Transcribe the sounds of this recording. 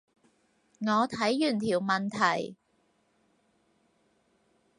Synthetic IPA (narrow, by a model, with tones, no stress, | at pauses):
ŋɔː˨˧t̪ʰɐ˨˥jːyː˨˩nt̪ʰiː˨˩wmɐ˨nt̪ʰɐ˨˩j